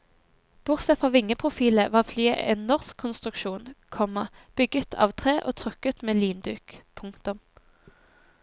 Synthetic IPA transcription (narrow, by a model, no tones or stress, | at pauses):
b̥ʊʁsɛfʁɑʋɪŋəpʰʁʊfiːləʋɑːflyːʔɛ̰nɔʁskʰːʊnst̪ʁʉkʃuːnkʰɔmɑb̥ʏɡət̪ʰɑ̰ːʋt̪ʰʁeːʔo̰ːt̪ʰʁʉkət̪meːliːnd̪ʉːkpʰʊŋkt̪ʊm